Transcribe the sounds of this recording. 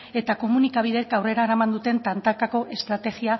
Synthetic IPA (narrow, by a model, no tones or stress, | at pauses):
e̞t̪ako̞munikaβ̞iðe̞kawre̞ɾaeɾamand̪ut̪e̞nt̪ant̪akako̞ʔe̞st̪ɾat̪e̞ɣia